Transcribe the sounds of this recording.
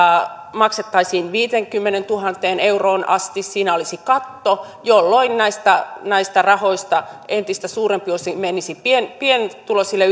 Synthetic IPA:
mɑkset̪ːɑisiːnʋiːt̪eŋkymːenent̪uhɑnt̪eːneuroːnɑ̰st̪issiːnæolisikɑt̪ːo | jolːoinnæist̪ɑnæist̪ɑrɑhoist̪ɑent̪ist̪æsuːrempiosimenisipienpient̪ulosilːe

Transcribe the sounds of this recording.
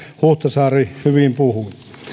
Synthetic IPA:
huht̪ɑsɑːrihyʋimpuhu

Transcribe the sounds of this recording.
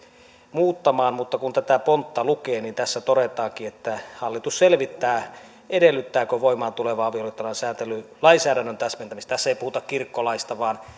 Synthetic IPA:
muːt̪ːɑmɑːnmut̪ːɑkunt̪æt̪æpont̪ːɑlukeːnint̪æsːæt̪oɾet̪ˑɑːŋkiːet̪ːæhɑlːit̪usselʋit̪ːæː | edelːyt̪ːæːkøʋoimˑɑːnt̪uleʋɑɑʋiolijot̪ːɑlɑnsæːnt̪elːˑylɑinsæːɾænːønt̪æsment̪æmist̪t̪æsːeipuhut̪ɑkkirkːolɑist̪ɑʋɑːn

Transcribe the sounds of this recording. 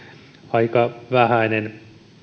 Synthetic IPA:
ɑikɑʋæhænen

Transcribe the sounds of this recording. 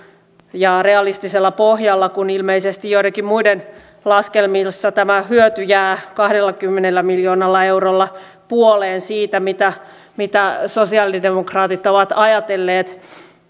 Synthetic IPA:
jɑreɑlist̪iselːɑpohjɑlːɑkunilmeisest̪ijjoit̪ɑkimmuiden | lɑskelmilsːɑt̪æmæhyøt̪yjæːkɑhdelːɑkymːenelːæmiljoːnɑlːɑeurolːɑ | puoleːnsiːt̪æmit̪æ | mit̪æsosiɑlidemokrɑːt̪it̪oʋɑt̪ɑjɑt̪elːeːt̪

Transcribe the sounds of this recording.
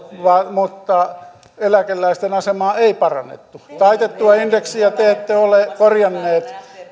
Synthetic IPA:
ʋɑmut̪ːɑ | elækelːæist̪enɑsemɑːeipɑrɑ̰nːḛt̪ːut̪ɑit̪et̪ːuɑindeksiɑt̪eːt̪ːeolekorjɑnːeːt̪

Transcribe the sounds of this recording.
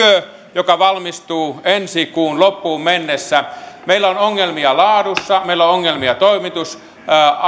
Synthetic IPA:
ø | jokɑʋɑlmist̪uːensikuːnlopːuːmmenːesːæmeilːæonoŋːelmiɑlɑːdusːɑmeilːooŋːelmiɑt̪oimit̪us

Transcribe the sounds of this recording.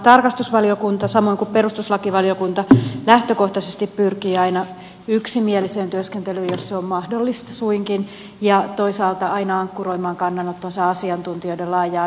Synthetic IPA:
t̪ɑrkɑst̪usʋɑliokunt̪ɑsɑmo̞iŋkuppeɾust̪uslɑkiʋɑliokunt̪ɑlæht̪øko̞ht̪ɑsest̪ippyrkiːɑinɑ | yksimieliseːnt̪yøskent̪elyːjosseommɑhdolːist̪ɑ̥suiŋkin | jɑt̪o̞isɑːlt̪ɑɑinɑɑŋkːuroimɑːŋkɑnːɑnot̪ːonsɑːɑsiɑnt̪unt̪ioidelɑːjɑː

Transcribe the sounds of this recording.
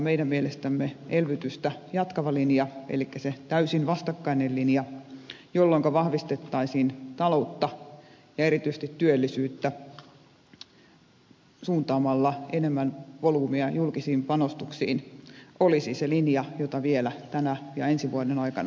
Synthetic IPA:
meidæmmielest̪æmːeelʋyt̪yst̪æjɑt̪kɑʋɑlinjɑḛlikːæset̪æysinʋɑst̪ɑkːɑinellinjɑ | jolːoŋkɑʋɑhʋist̪et̪ːɑisiːnt̪ɑlout̪ːɑ | jɑeɾit̪yist̪it̪t̪yølːisyːt̪ːæ | suːnt̪ɑːmɑlːɑenemːænʋoluːmiɑjulkisiːmpɑnost̪uksḭːnʔolisiselinjɑjot̪ɑʋielæt̪ænæjɑensiʋuɑdenɑikɑ̰n

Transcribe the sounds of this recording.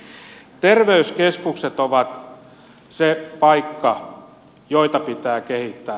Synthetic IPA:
t̪erʋeyskeskukset̪oʋɑt̪ | sepɑikːɑ | joit̪ɑpit̪æːkehit̪ːæː

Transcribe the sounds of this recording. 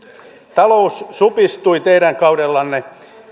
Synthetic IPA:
t̪ɑlousːupist̪uit̪eiɾæŋkɑudelːɑnːe

